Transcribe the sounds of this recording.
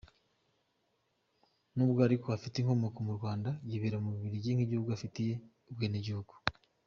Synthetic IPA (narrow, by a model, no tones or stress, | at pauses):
nuːbɡoaɾiko̞afiteiːŋkho̞mo̞ko̞muɾɡwaːndajiβeɾamuβiβiɾiɟiŋhiɟihuɡuafitije̞ | ubweːneɟihuɡ̥u̥